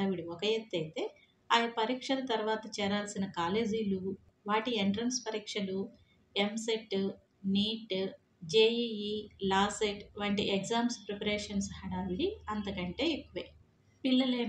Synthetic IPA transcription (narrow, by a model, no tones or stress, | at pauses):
ʋiɽiɔkɐjet̪ːɐjt̪e̞ː | aːjɐpɐɾiːkʂɐlɐt̪ɐɾʋaːt̪ɐt͡ʃɛːɾaːlsinɐkaːle̞ːd͡ʒiːlu | ʋaːʈieɳʈɾɐnspɐɾiːkʂɐlu | emseʈː | niːʈ | d͡ʒeːiilaːseʈʋɐɳʈḭekzaːmspɾepɐɾeːʂɐnshɐɽaːliɐnt̪ɐkɐɳʈe̞ːekːuʋej | pilːɐleː